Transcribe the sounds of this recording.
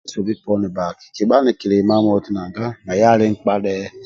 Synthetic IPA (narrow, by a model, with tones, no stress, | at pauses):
so˨bi˦pɔ˦nɛ˨ba˨ki̥˨ki˨ɓa˦nɛ˨ki˨le˨ma˦mo˦ti˦na˨ŋɡa˦ma˨ja˦lɪ˦ŋ̩˦k͡pa˦ɗɛ˦